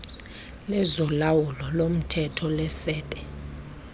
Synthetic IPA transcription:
lɛzɔlawulɔlom̩tʰɛtʰɔlɛsɛːtʼɛ

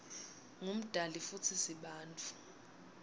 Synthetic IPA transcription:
ŋum̩d̥ʱalifut͡sʰisiɓaːnt͡fʰu̥

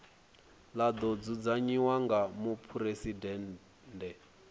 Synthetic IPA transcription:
lad̪ɔd͡zud͡zaɲiwaŋɡamupʰuɾesidɛːn | ndɛ

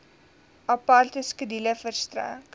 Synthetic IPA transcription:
ɐpart̪əskədiləfərstɾæ̰ːk

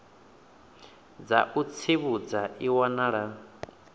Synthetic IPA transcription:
d͡za̰ʔut͡sʰiβud͡zaʔiwanaɺa

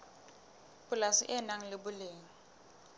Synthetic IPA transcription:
bʊlasɪʔɪnaŋ̩lɪbʊleːŋ̩

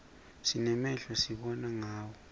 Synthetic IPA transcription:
sinɛmɛɬasiɓɔnaŋaːwɔ

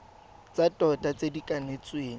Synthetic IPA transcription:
t͡sʼatʼɔtʼat͡sʼedikʼanet͡sʼweːŋ

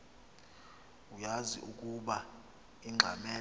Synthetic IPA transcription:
ujazḭʔukʼuɓa | iŋ͡ǁʱa̰mɛ

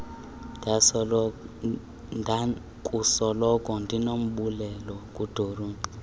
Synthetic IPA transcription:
a | ndʱa | kʼusɔlɔkʼɔndʱinom̩ɓulɛlɔkʼud̥ʱoruːndʱi

